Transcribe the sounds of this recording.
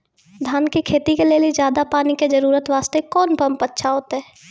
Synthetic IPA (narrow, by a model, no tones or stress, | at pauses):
d̪ʱaːnkekʰeːt̪ikeleːlied͡ʒjaːd̪apaːniked͡ʒəɾuːɾət̪ʋaːst̪ekɔːnpəmpətːʃʰaɦoːt̪eɦɛ